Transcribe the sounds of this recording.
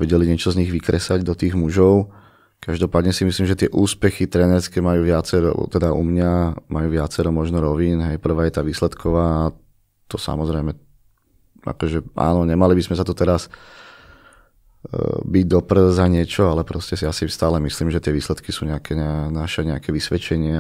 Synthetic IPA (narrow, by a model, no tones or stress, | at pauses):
ʋɛɟɛliɲɪɛt͡ʃɔzɲiɣʋikɾɛsaɟd̪ɔt̪iːɣmuʒɔʊ | kaʒd̪ɔpaːd̪ɲɛsimisliːmʒɛt̪ɪɛʔuːspɛxit̪ɾɛːnɛɾskɛːmajuːʋɪat͡sɛɾɔ̰t̪ɛd̪aʔṵmɲamajuːʋɪat͡sɛɾɔmɔʒnɔɾɔʋiːnɦɛjpr̩ʋaːjɛt̪aːʋiːslɛt̪kʰɔʋaː | t̪ɔsa̰mɔzɾɛjmɛ | ʔa̰kɔʒɛʔa̰ːnɔɲɛmalibizmɛzat̪ɔt̪ɛɾas | biɟd̪ɔpr̩zaɲɪɛt͡ʃɔalɛpɾɔscɛsiasist̪aːlɛmisliːmʒɛt̪ɪɛʋiːslɛt̪kisuːɲɛakɛɲnaʃɛɲɛakɛʋisʋɛt͡ʃɛɲɪa